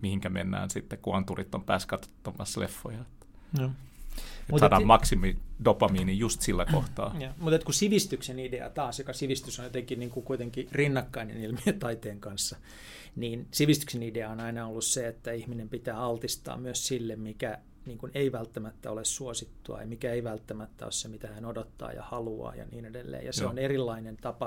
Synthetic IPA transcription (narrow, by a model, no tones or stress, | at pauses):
mihiŋkæmḛnːæ̰ːnsit̪ːekkuɑnt̪urit̪ːompæːskɑt̪o̥t̪ːɑmɑslḛfːojɑet̪ːæ̥joː | etmut̪sɑːdɑːmmɑksimidopɑmiːnijjust̪silːækoht̪ɑ̰ːjɑːmut̪et̪kusiʋist̪yksenideɑ̰t̪ɑːsjokɑsiʋist̪ysonjot̪eŋkinniːŋkukuit̪eŋkirinːɑkːɑinḛnilmiøt̪ɑit̪eːŋkɑnsːɑ | niːnsiʋist̪y̥ksenideɑonɑinɑolːusseet̪ːæihminempit̪æːɑlt̪ist̪ɑ̰ːmmyøssilːemmikæ | niːŋkuneiʋælt̪ːæmæt̪ːæ̰olessuosit̪ːuɑ̰jɑmikæeiʋælt̪ːæmæt̪ːæ̰o̰ssemit̪æhænodot̪ːɑ̰ːjɑ̰hɑluɑ̰ːjɑ̰niːnedelːḛːjɑseonerilːɑinent̪ɑpɑ